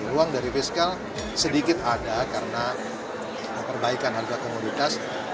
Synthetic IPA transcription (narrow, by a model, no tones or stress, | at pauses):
ɾuaŋdaɾifiskal | sədikɪt̪adakaɾəna | pərbaikanɦarɡakomudit̪as